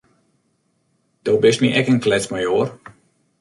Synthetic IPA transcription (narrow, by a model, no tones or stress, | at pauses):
d̥owbɪsmiʔɛkənklɛt͡smajoːr